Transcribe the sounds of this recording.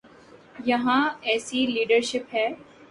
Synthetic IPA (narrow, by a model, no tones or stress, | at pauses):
jɐɦãɛːsiliːɖəɾʃɪpɦɛː